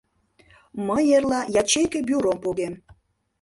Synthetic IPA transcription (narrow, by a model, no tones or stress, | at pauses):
məjerlɑjɑt͡ɕejkĕbʲyɾompoɣem